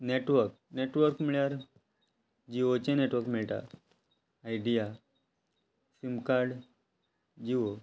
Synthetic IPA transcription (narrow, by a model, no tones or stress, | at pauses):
neʈʋəɾk | neʈʋəɾkmiɭjaɾ | d͡ʑiot͡ɕẽneʈʋəɾkmeɭʈa̰ː | jɖija | simkaɾɽ | d͡ʑio